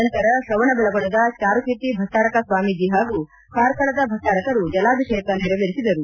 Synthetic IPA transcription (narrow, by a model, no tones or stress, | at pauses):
ɐnt̪ɐɾɐsɾɐʋɐɳɐbɐlɐɡoɳɐd̪ɐt͡ʃaːɾukiɾt̪ibʱɐʈaːɾɐkɐsʋaːmid͡ʒiːɦaːɡu | kaːɾkɐɭɐd̪ɐbʱɐsʈaːɾɐkɐɾud͡ʒɐlaːd̪uʃeːk̪ɐniɾɐʋɐɾisid̪ɐɾu